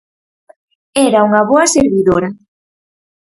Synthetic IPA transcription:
ɛɾauŋɐβoɐseɾβiðoɾɐ

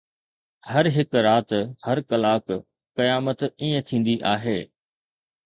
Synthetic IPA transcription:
hɐɾɦɪkɾaːt̪hɐɾkɐlaːk | kɐjaːmət̪iːə̃t̪ʰĩːn̆d̪iʔaːɦeː

